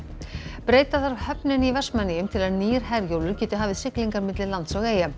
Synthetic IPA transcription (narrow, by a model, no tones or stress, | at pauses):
pɾeːjt̪aðaɾhœpnɪnivɛr̥smɛnːɪjʏmt̪ʰɪlaðniːɾ̥ɦɛɾjowlʏɾcɛːt̪ʏɦaːvɪðsɪkliŋkaɾmɪt̪lɪðlant̪sɔɣeːja